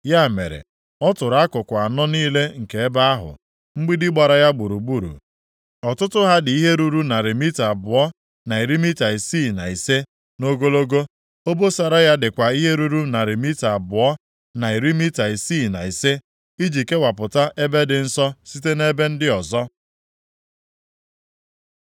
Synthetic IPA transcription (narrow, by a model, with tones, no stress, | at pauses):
ja˦˨mḛ˨ɾḛ˨ | ɔ˦tʊ˨ɾa˦kʊ˨kʷa˨a˨nɔ˦niː˦le˦ŋ̩˨ke˨e˦ba˦a˦ɦʊ̰˨ | ŋ͡m̩˦ɡ͡bi˦dɪ˦ɡ͡ba˨ɾa˨ja˦ɡ͡bu˨ɾu˨ɡ͡bu˦˨ɾṵ˨ | ɔ˨tʊ˦tʊ˦ɦa˦dɪ˨i˦ɦe˦ɾu˦ɾu˦na˨ɾi˨mi˦ta˨a˨bʊ˨ɔ˦ | na˨i˨ɾi˦mi˦ta˨i˨si˦˨na˨i˨se˦ | no˦ɡo˦lo˦ɡo˦ | o˦bo˦sa˨ɾa˦ja˦dɪ˨kʷa˨i˦ɦe˦ɾu˦ɾu˦na˨ɾɪ˨mi˦ta˨a˨bʊ˨ɔ˦ | na˨i˨ɾi˦mi˦ta˨i˨siː˦˨na˨i˨se˦ | i˦d͡ʒi˨ke˦wa˨pʊ˨ta˦ʔe˦be˦dɪ˨n̩˦sɔ˦si˦te˦ne˦be˦n̩˦dɪ˦ɔ˨zɔ˦